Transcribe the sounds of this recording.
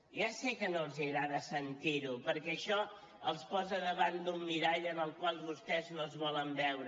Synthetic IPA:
ʒasekənoəlˠziɣɾaðəsənt̪iɾupəɾkɛəʃɔ | əlˠspɔzəðəβand̪umːiɾaʎənəlˠkwalˠβust̪ɛznoəlzβɔləmbɛwɾ

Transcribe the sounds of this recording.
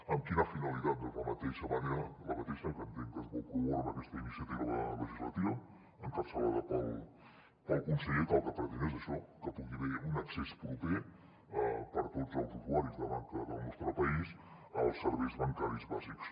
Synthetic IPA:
əmkinəfinəlit̪at̪̚əzləmət̪eʃəməneɾələmət̪ɛʃəkənt̪end̪əzβukuβoɾβəkɛst̪əinisiət̪iβəβələʒizlə̰t̪iβə | əŋkapsəβaðəpəlˠ | pəlˠkunsəʎet̪alˠkəpəɾt̪inɛzəʃɔkəpuɣiβeunəksɛspɾupe | əpəɾt̪ozəlˠzut̪uaɾizðəmaŋkəðəlˠnɔst̪ɾəpəisəlˠsːəɾβɛjzβəŋkaɾizβaziks

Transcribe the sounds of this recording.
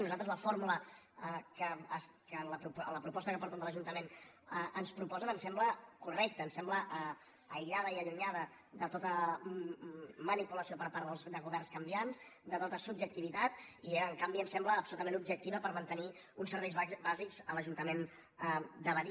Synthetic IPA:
nuzalˠt̪ɾəzləfoɾmulə | kəəskələpɾupləpɾupɔst̪əkəpɔɾt̪ɛmd̪əlˠəʒunt̪əmenʔənspɾupɔzənənsɛmbləkurɛk̚t̪əːnsɛmbləʔə | əjʎaðəiəʎuɲaðə | ðət̪ot̪ə | mənipuləsiopəɾpaɾðəlˠzd̪əɣ̞uβɛrnskəmbianzd̪ət̪ot̪əsubd͡ʒək̚t̪iβit̪at̪ieəŋkambiənsɛmbləːpsulut̪əmenubʒək̚t̪iβəpəɾmənt̪əniunsəɾβɛjzbazikz̥ələʒunt̪əmen | d̪əβəði

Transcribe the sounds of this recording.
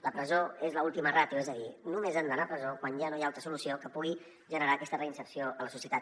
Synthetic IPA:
ləpɾəzoezləulˠt̪imərat̪juɛzəðinumezand̪ənapɾəzokwanʒanojaalˠt̪ɾəsulusiokəpuɣ̞i | ʒənəɾaəkɛst̪ərəinsəpsioʔələsusiət̪at̪

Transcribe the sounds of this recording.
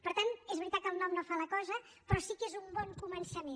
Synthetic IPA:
pəɾt̪anezβɾit̪at̪̚kəlˠnɔmnofaləkɔzə | pɾɔsikezumbɔŋkumənsəmen

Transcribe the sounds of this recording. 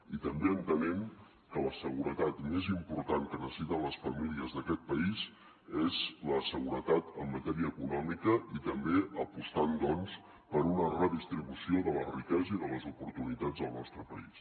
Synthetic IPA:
it̪əmbeənt̪ənɛm | kələsəɣuɾət̪at̪mezimpuɾt̪aŋkənəsit̪ələsfəmiliəzðəkɛt̪̚pəiz | ezləsəɣuɾət̪at̪əmːət̪ɛɾiəːkunɔmikəit̪əmbeəpust̪and̪ɔns | pəɾunərəðist̪ɾiβusioðələrikɛzəiðələzupuɾt̪unit̪ad͡zðəlˠnɔst̪ɾəpə̰is

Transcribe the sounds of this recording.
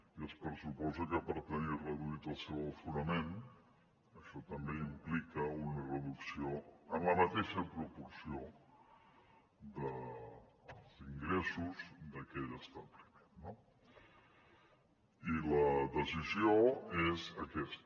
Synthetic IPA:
iəspəɾsupɔzəkəpəɾt̪ənirəðuit̪əlˠsɛwəlˠfunəmen | əʃɔt̪əmbeimplikəunərəðuksioənləmət̪eʃəpɾupuɾsio | d̪ə | əlˠziŋɡɾɛsuzd̪əkɛʎəst̪aβlimenːo | iləðəzizioezəkɛst̪

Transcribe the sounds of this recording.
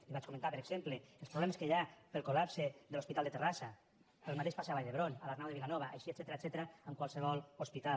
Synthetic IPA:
liβat͡ʃkument̪apeɾeɡzempleelˠspɾoβlɛmeskeʎapelˠkolapseðelospit̪alˠd̪et̪erasa | elˠmat̪eʃpasaβajðeβɾonalaɾnawðeβilanɔβaʔajʃiet̪sɛt̪eɾat̪sɛt̪eɾaəmkwalˠseβɔlospit̪a

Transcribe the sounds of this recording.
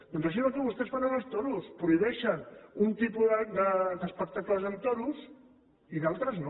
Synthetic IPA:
d̪̥ɔnzaʃ̬inot̪uβust̪ɛsfananɐst̪onuspɾuiβɛʃənunt̪ipuðəd̪əd̪əspək̚t̪akləzənt̪onus | iðalˠt̪ɾəzno

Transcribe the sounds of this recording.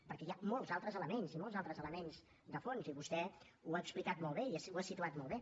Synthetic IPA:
pəɾkɛjamolˠzalˠt̪ɾəzələmenzimɔlˠzalˠt̪ɾəzələmenz | d̪əfonziβust̪ɛ | uaəksplikat̪mɔlˠβeisuasit̪uat̪mɔlˠβe

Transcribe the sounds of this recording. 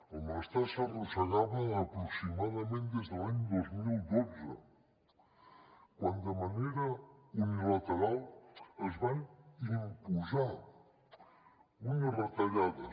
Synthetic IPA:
amast̪asarusaɣaβɐːpɾuksimaðɐmẽnt̪d̪ezðelaɲd̪ozmilˠd̪oze | kwand̪ɐmaneɾɐunilat̪eɾalˠezβajimpuza | unɐβat̪ɐʎaðɐ

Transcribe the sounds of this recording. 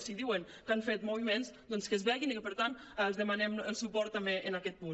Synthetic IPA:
siðiwən | kaɱfet̪muβ̞imenzd̪ɔnskəzβɛɣinikəpəɾt̪ant̪ | lˠzðəmanɛməlˠsupɔɾt̪ːameʔənakɛt̪̚pun

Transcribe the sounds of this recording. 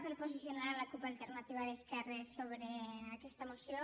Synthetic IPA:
peɾpozisjonaɾlakupalˠt̪eɾnat̪iβaðeskɛresoβɾeakɛst̪əmusjo

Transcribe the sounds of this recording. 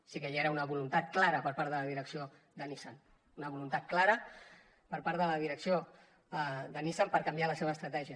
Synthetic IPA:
sikeʎeɾəunəβulunt̪at̪̚klaɾəpəɾpaɾðələðiɾəksio | d̪ənisan | unəβulunt̪at̪̚klaɾə | pəɾpaɾðələðiɾəksio | ðənisampəɾkəmbialəseβəst̪ɾət̪ɛʒiə

